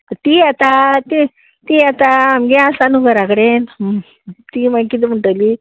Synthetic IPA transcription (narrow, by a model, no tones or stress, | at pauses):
t̪iat̪at̪i | t̪iat̪aːmɡeasanuɡəɾakɽen | t̪imakit̪im̤əɳʈəli